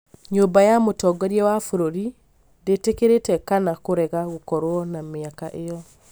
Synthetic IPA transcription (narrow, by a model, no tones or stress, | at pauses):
ɲombajamotɔɡɔɾiɛwafoɾoɾi | ndetekeɾetɛkanakoɾɛɣaɣokɔɾoɔnameakaʔejɔ